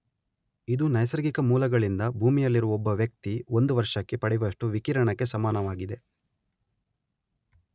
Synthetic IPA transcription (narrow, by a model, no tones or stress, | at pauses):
id̪unɐjsɐɾɡikɐmuːlɐɡɐɭind̪ɐbʱuːmijɐlːiɾuʋɔbːɐʋjɐk̚t̪io̞nd̪uʋɐɾʂɐkːepɐɽɛʋɐʂʈuʋikiːɾɐɳɐkːe̞sɐmaːnɐʋaːɡid̪e̞